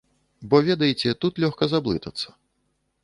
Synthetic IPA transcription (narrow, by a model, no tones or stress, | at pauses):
bɔvʲɛd̪ɐjit͡sʲɛt̪ut̪lʲɔxkɐzablˠɨt̪ɐt̪sːɐ̥